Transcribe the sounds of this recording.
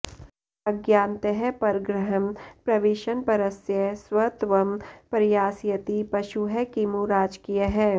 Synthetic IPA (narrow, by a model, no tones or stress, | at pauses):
ɐɡjaːnt̪əɦɛpɐɾɡɾəɦəmpɾɐʋeːʃənpɐɾəsjəswɐt̪ʋɐmpɐɾɪjaːsjɐt̪ipɐʃuɦɛkimuɾaːd͡ʒkijəɦɛː